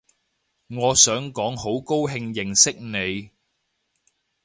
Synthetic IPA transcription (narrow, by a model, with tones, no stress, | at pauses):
ŋɔː˨˧sœː˨˥ŋkɔː˨˥ŋho˨˥wko˥wɦɪ˧ŋjɪ˨˩ŋsɪ˥k̚ne˨˧j